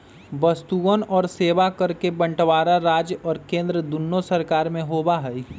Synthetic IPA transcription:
bəst̪uənɔːɾseːʋakəɾkebə̃ɳʈʋaːɾaɾaːd͡ʒjʔɔːɾkẽːnd̪ɾəd̪ʊnːosəɾkaːɾmẽɦoːbaɦɛi

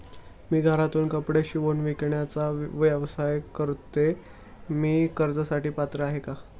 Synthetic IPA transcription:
miːɡʱaɾat̪uːnkəpɽjaɕiːʋonʋikɳjat͡saʋjəʋsajkəɾt̪e | miːkəɾd͡zəsaʈiːpat̪ɾəaɦeka

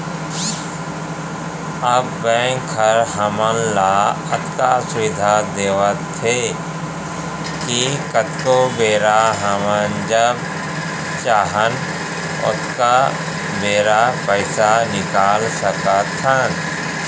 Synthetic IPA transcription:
əbːɛ̃ːŋkʰːəɾɦəmənla | ət̪kasʊʋɪd̪ʱad̪eːʋət̪ʰːe | kikət̪kobeːɾaɦəmənd͡ʒəb | t͡ʃaːɦən | ʊ̰t̪ka | beːɾapəɪsanɪkaːlsəkət̪ʰːən

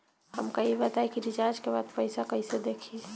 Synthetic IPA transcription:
hə̰mkəibət̪aekiɾid͡ʒaɾd͡ʒkebaːd̪pəɪsakəised̪ekʰi

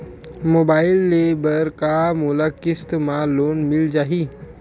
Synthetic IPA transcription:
mobailːebəɾkamolakist̪maloːnmild͡ʒaːɦiː

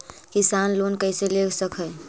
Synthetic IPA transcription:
kisanlonkəjseleksəkʰəj

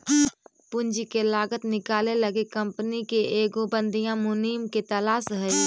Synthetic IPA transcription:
pʊnd͡ʒikelaːɡət̪nɪkaːleləɡekə̃mpənikeeːɡobə̃nd̪ʱijãmʊniːmket̪ɐlaːsɦɛe

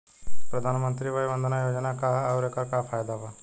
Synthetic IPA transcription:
pɾəd̪ʱaːnmə̃nt̪ɾibaːjbə̃nd̪ʱənajoːd͡ʒnakaɐʊɾekakapʰaːjd̪aba

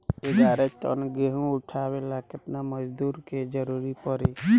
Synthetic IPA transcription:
eɡaɾeʈə̰nɡeɦũuʈʰabelakɪt̪naməd͡ʒd̪uɾked͡ʒəɾuɾipəɾe

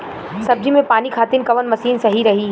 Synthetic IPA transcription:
sɐb̚d͡ʒimẽpaːnikʰaːt̪ɪnkɐʋənmɐsiːnsɐɦiɾɐɦi

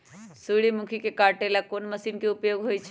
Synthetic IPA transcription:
suɽimukʰikekaɾʈelakonməsinkeupjoːɡɦojt͡ʃʰ

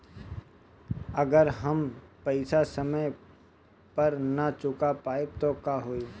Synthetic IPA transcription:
əɡəɾɦɐmpɐɪsasəməj | pɐɾnat͡ʃʊkapaːeb̚t̪okaɦoːi

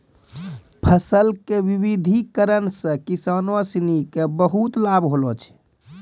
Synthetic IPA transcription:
pʰəsəlkeʋiβid̪ʱikəɾənsə̃kisanəsinikebəɦut̪labɦolɔt͡ʃʰɛ̥

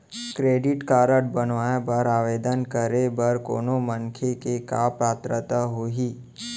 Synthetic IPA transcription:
kɾeːɖɪʈkaːɾəʈ̚bənʋaːjebəɾaːʋeːd̪ənkəɾebəɾko̰ːnoməŋkʰekekaːpaːt̪ɾət̪aɦoːɦiː

